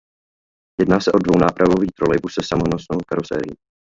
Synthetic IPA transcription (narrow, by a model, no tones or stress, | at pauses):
jɛdnaːsɛʔo̞dvo̞wnaːpɾʔavo̞viːt̪ɾolɛjbusɛsamonosnowkaɾosɛ̰ːɾḭː